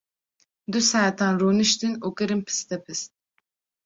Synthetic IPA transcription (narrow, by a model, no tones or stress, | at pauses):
d̪usɛt̪ʰanɾuːnɨʃt̪ɨnuːkɨɾɨmpʰɨ̥st̪ɛpʰɨst̪̚